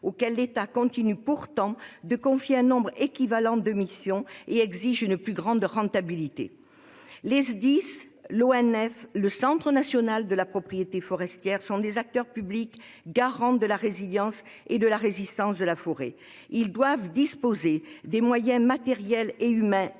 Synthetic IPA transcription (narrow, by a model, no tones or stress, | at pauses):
okɛlːet̪akɔ̃t̪inypuʁt̪ɑ̃d̪əkɔ̃fjeɛ̃nɔ̃bʁekʲivalɑ̃d̪əmisjɔ̃eɛɡziʒynplyɡʁɑ̃d̪ʁɑ̃t̪abilit̪ḛ | lezd̪is | loɛnɛfləsɑ̃t̪χənasjɔnald̪əlapχɔpχijet̪efɔʁɛst̪jɛʁsɔ̃d̪ezak̚t̪œʁpyblik | ɡaʁɑ̃d̪əlaʁeziljɑ̃s | ed̪əlaʁezist̪ɑ̃sd̪əlafɔʁḛ | ild̪wavd̪ispozed̪emwajɛ̃mat̪ɛʁjɛleymɛ̃